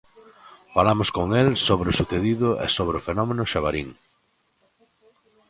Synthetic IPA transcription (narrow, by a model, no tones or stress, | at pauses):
falamʊskoŋelsoβɾʊsuθeðiðʊḛsoβɾʊfenɔmenʊʃaβaɾiŋ